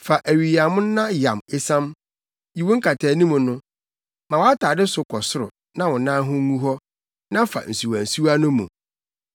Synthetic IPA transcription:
fa˨ʔæ˨ɥi˨i˨a˨mʊ̃˦n˦nã˦jã˨me˦sã˦m | ji˨wõ˦ŋ̩˦kʰa˨tʰɛː˨nĩ˦mũ˨nʊ̃˦ | mã˨wa˦tʰaː˨dɪ˦sʊ˨kʰɔ˨sʊ˦ɾʊ˨ | nã˦wɔ̃˨˦nã˦ɦʊ̃˦ŋũ˦ɦɔ˦ | nã˦fa̰˨n̩˨si˨wa˨n̩˨su˦wa˦nʊ̃˦mːṵ̃˨

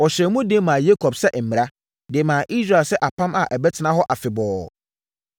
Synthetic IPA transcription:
ɔ˨ɕɛ˨˦mũ˦de˦mãː˨je˦kʰɔ˨bsɛ˦m̩˨mĩ˨ɾa˦ | dɪ˨mãː˨ʔi˦sɾa˨lsɛ˦ʔa˨pʰã˦ma˨ʔæ˨bɛ˦tʰɪ˨nã˦ɦɔ˦ʔa˨fɪ˨bɔː˨

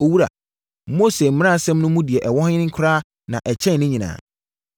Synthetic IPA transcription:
o˨wu˦ɾa̰˨ | mo˦se˨m̩˦m̃˦ã˦˨sɛ̃˦mnʊ̃˦mũ˦di˨ɛ˨ʔɛ˨wɔ˦hɲɪ̃˦nɪ̃˦ŋ̩˦kʰʊ˦ɾaː˦ | nã˨ʔɛ˨t͡ɕʰɛ̃˦n˨nʊ̃˦ɲĩ˨nã̰ː˨

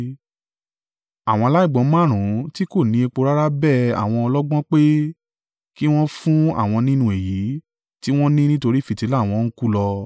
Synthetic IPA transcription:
a˨w̃ɔ̃˧la˦i˦˨ɡ͡bɔ̃˨˧˦mã˦˨ɾ̃ũ˨˦ti˦ko˦˨nĩ˨˦e˧k͡po˧ɾa˦ɾa˦bɛ˦˨a̰˨w̃ɔ̃˧ɔ˧lɔ˦ɡ͡bɔ̃˦k͡pe˦ | ki˦w̃ɔ̃˦fũ˦a̰˦˨w̃ɔ̃˧nĩ˦nũ˦e˨ji˨˦ | ti˦w̃ɔ̃˦nĩ˦nĩ˦to˧ɾi˦fi˨ti˨˦la˦˨w̃ɔ̃˧ñ̩˦ku˦lɔ˧

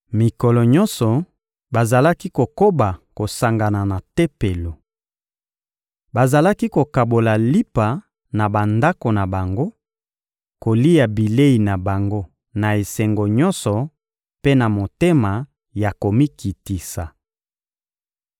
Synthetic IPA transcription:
mi˨kɔ˨lɔ˨ɲɔ˦nsɔ˨ | ba˨za˨la˦ki˦ko˨ko˦ba˨ko˨sa˨ŋɡa˨na˨na˨te˦pe˨lo˨ | ba˨za˨la˦ki˦ko˨ka˨bo˨la˨li˦pa˨ | na˨ba˨nda˦ko˨na˨ba˨ŋɡo˦ | ko˨li˦ja˨bi˨le˦i˨na˨ba˨ŋɡo˦ | na˨e˨sɛ˨ŋɡo˨ɲɔ̃˦nsɔ˨ | pe˦na˨mo˨te˦ma˨ | ja˨ko˨mi˦ki˨ti˨sa˨

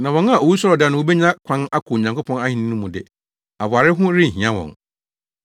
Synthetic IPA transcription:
nã˨wɔ̃˨n˦a˨o˨wi˦sɔ˦ɾɔ˨da˨nʊ̃˨wo˦bɛ˦ɲã˦kʷʰã˦na˦kʰʊ˨ɲã˨ŋko˦pʰɔ̃˦na˦hĩ˨nɪ̃˦nũ˦mũ˨dɪ˨ | a˨ba˨ɾɪ˦ɦʊ̃˦ɾɪ̃˦˨ɦĩ˨ã˦wɔ̰̃˨n

